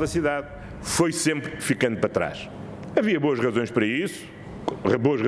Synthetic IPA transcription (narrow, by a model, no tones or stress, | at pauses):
ðɐsiðað | fojsẽmpɾfikɐ̃nd̪upɾɐt̪ɾa̰ʃ | ɐviɐβoɐʃʁɐzõj̃ʃpɾɐisu̥ | ʁɐβoɐʃʁɐ